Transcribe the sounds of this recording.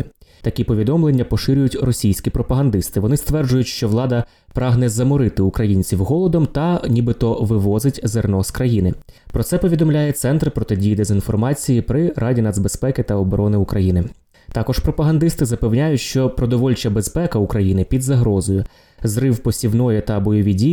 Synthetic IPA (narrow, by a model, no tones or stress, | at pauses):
t̪ɐkʲipɔʋʲid̪ɔmlˠenʲːɐpɔʃɪɾʲʊjʊtʲrɔsʲijsʲkʲipɾɔpɐɦɐnd̪ɪst̪ɪʋɔnɪst̪ʋɛrd͡ʒʊjʊtʲʃt͡ʃɔʋlˠɑd̪ɐ | pɾɑɦnɛzɐmɔɾɪt̪ɪukɾɐjinʲt͡sʲiwɦɔlˠɔd̪ɔmt̪ɐnʲibɪt̪ɔʋɪʋɔzɪtʲzernɔskɾɐjinɪ | pɾɔt̪sɛpɔʋʲid̪ɔmlʲajɛt̪sɛnt̪rpɾɔt̪ɪdʲijid̪ezʲinfɔrmɑt͡sʲijipɾɪɾɑdʲinɑd̪zbespɛkɪt̪ɐɔbɔɾɔnɪukɾɐjinɪ | t̪ɑkɔʃpɾɔpɐɦɐnd̪ɪst̪ɪzɐpewnʲajʊtʲʃt͡ʃɔpɾɔd̪ɔʋɔlʲt͡ʃɐbespɛkɐukɾɐjinɪpʲid̪zɐɦɾɔzɔjʊ | zɾɪwpɔsʲiwnɔjɛt̪ɐbɔjɔʋʲidʲij